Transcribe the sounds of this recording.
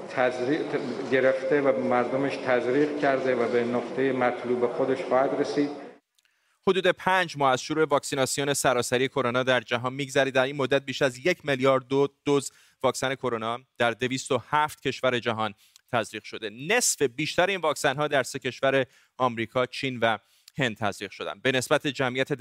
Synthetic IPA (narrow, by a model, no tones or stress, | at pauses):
t̪ʰæzɾiɟe̞ɾeft̪evæmæɾd̪omeʃt̪ʰæzɾiːɣcʰæɾd̪evæbenoqt̪ʰejemæt̪ʰluːbexod̪eʃχɒːhæd̪ɾesiːd̪̥ | ho̞d̪uːd̪epʰæːnd͡ʒmɒːæz̥ʃoɾuːe̞vɒːksinɒsijone̞sæɾɒːsæɾije̞kʰoɾonɒːd̪æɾd͡ʒæɦɒːnmiːɡzæɾiːd̪d̪æɾiːnmod̪ːæt̪̚biːʃæzje̞cʰmeljɒːɾd̪od̪̥oz | vɒːksæne̞kʰo̞ɾonɒːd̪̥æɾd̪e̞viːst̪o̞hæft̪̚cʰe̞ʃvæɾe̞d͡ʒæɦɒːn | t̪ʰæzɾiːʁʃo̞d̪e̞ne̞sfe̞biːʃt̪æɾeiːnvɒːksænɦɒːd̪æɾse̞cʰe̞ʃvæɾe̞ | ɒːmɾiːkʰɒːt͡ʃʰiːnvæ | he̞nd̪̚t̪ʰæzɾiːʁʃo̞d̪æ̰nd̪be̞ne̞sbæt̪ʰe̞d͡ʒæmʔijæt̪ʰe